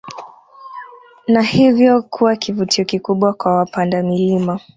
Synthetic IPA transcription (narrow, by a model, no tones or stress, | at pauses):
nahivjɔkʰuwakivutʰiɔkikuɓwakwawapandamilima